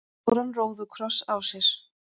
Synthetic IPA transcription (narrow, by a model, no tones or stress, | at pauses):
ɾanroːwðʏkʰɾɔsawsjɛɾ̥